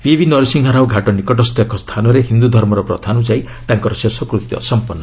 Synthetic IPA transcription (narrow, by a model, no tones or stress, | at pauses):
pibinɔɾisiŋɦaɾawɡʱaʈɔnikɔʈɔst̪ɔekɔst̪ʰanɔɾeɦind̪ud̪ʱɔɾmɔɾɔpɾɔ̰d̪ʰʱanud͡ʒai | t̪aŋkɔɾɔsesɔkɾut̪jɔ̰sɔmpɔnːɔ